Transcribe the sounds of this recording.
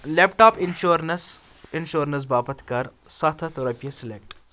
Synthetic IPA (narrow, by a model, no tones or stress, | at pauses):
leːpʈaːpɪnʃuɾnɐs | ɪnʃoːɾnɐs̬baːpət̪ʰkɐɾsɐt̪ʰɐt̪ʰoɾɐpijɐsɪlek̚ʈ